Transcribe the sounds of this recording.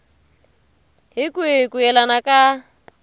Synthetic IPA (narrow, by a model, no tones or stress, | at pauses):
ɦɪkʼuɪkʼuɛlanakʼa